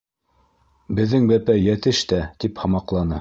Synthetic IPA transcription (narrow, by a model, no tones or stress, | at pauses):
bɘ̆ðːɘŋbæpæjæt̪ɘʃt̪æt̪iphɑmɑqlˠɑnɤ